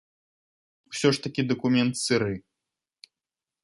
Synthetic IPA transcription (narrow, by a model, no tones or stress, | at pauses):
wsʲɔʂt̪ɐkʲid̪ɐkumʲɛnt̪sɨɾɨ